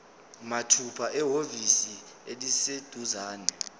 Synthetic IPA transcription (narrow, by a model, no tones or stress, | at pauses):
matʰupʰaʔɛɦovisi | elised̥ʱuzaːnɛ